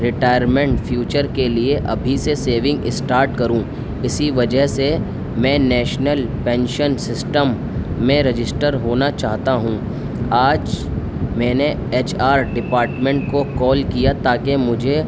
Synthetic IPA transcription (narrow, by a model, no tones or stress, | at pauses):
ɾɪʈaːɪjəɾmɛ̃ɳʈfʰjuːt͡ʃəɾkelieʔɐbʱiseseːʋɪ̃ŋɡɪsʈaːɾʈkɐɾũː | ɪsiʋɐd͡ʒəɦse | mɛ̃ːnɛːʃnəlpɛ̃ːnʃənsɪsʈəmː | ẽɾɪd͡ʒɪsʈəɾɦoːnat͡ʃaːɦt̪aɦũ | aːd͡ʒ | mɛ̃ːne | eːt͡ʃʰaːɾɖɪpaːɾʈmẽɳʈ̚kokɔːlkijat̪aːkemʊd͡ʒʱe